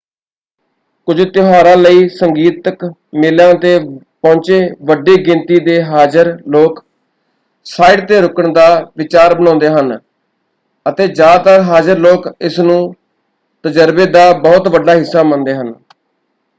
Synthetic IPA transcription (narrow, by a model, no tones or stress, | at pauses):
kʊd͡ʒt̪ɪɦaːɾãːləiːsəŋɡiːt̪ək | mɪlãːt̪eː | pɔ̃ːnt͡ʃeːʋəɖeːɡɪ̃nt̪iːd̪eːɦaːd͡ʒəɾloːk | saːɪɖt̪eːɾʊkəɳd̪aːʋɪt͡ʃaːɾbənɔ̃ːnd̪eːɦən | ət̪eːd͡ʒaːt̪əɾɦaːd͡ʒəɾloːkɪsnũː | t̪əd͡ʒəɾbeːd̪aːbəːʊt̪ʋəɖːaːɦɪsːaːmənd̪eːɦən